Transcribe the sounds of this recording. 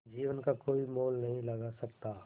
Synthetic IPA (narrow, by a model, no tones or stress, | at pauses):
d͡ʒiːʋənkakoːimoːlnɐɦĩlɐɡasɐk̚t̪aː